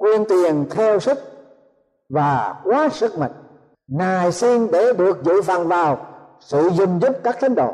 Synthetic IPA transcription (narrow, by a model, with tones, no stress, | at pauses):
kwi˧ənt̪i˨˩ənt̪ʰɛ˧wsi˦˥k̚ | vaː˨˩kwaː˨˦sɨ˦˥k̚ma̰˧˨ŋ̟ | ŋaː˨˩jsi˧nɗe˧˩ɗɨ˨˩ək̚zɨ̰˧˨fa̰˧˨nvaː˨˩w | sɨ̰˧˨zʊ˧˩ŋ͡mzu˦˥p̚kaː˦˥k̚t̪ʰa˨˦jŋ̟ɗo̰˧˨